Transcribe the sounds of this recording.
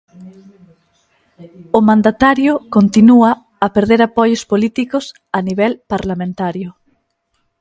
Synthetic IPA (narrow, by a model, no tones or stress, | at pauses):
ʊmãnd̪at̪aɾjʊkont̪inuaː | peɾðeɾapɔjʊspolit̪ikʊs | aniβɛlpaɾlamẽnt̪aɾjʊ